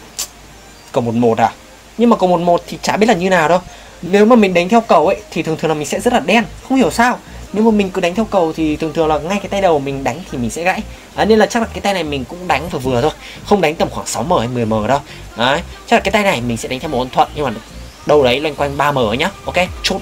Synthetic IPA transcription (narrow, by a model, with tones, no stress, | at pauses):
kə˨˩wmo˨˩mo˨˩t̚ʔəː˨˩ | ɲɨ˧ŋmaː˨˩kə˨˩mo˨˩t̚mo˨˩t̚t̪ʰi˨˩t͡ɕaː˧˩ɓi˦˥əlaː˨˩ɲɨ˧naː˨˩wɗo˧˩j | ne˨˦wmaː˨˩mï˨˩ŋ̟ɗa˨˦ŋt̪ʰwkə˨˩wʔə̰˧˦jt̪ʰi˨˩t̪ʰŋt̪ɨ˨˩ŋlːmi˨˩ŋsɛ̰˧˥zə˦˥t̚laː˨˩ɗɛ˧nxə˧wŋ͡mhi˧˩əwsaː˧wne˨˧˦wmaː˨˩mï˨˩ŋ̟kɨ˨˦ɗa˨˦ŋt̪ʰɛ˧wkə˨˩wt̪ʰi˨˩t̪ʰɨ˨˩əŋt̪ɨ˨˩əŋlaː˨˩ŋa˧jkaː˨˦jt̪a˧jɗə˨˩wmï˨˩ŋ̟ɗa˨˦jŋ̟t̪ʰi˨˩mï̟˨˩sɛ̰˧˥ɣa̰ː˧˥j | ʔaː˨˦ne˧nlaː˨˩a˦˥k̚laː˨˩kːt̪a˧jna˨˩jmï˨˩ŋ̟kʊ̰˧˥ŋ͡mɗa˨˦jŋ̟vaː˨˩vɨ˨˩ət̪ʰo˧j | xə˧wŋ͡mɗa˨˦ŋ̟t̪ə˨˩mxwaː˧˩ŋsa˨˦wməː˧˩hə˧jmɨ˨˩əjməː˧˩ɗə˧˩j | ʔaː˨˦t͡ɕa˦˥klaː˨˩kːjt̪a˧jna˨˩jmi˨˩ŋ̟sɛ̰˧˥ɗa˨˦ŋt̪ʰo˨˩ʔə˧nt̪ʰwə̰˧˨nɲɨ˧ŋmaː˨˩˨ | ɗə˨˩wɗə˨˦jlwa˧jŋkwa˧jŋ̟ɓaː˧məː˧˩ə˨˦ɲaː˨˦ʔo˧ke˧t͡ɕu˦˥t̚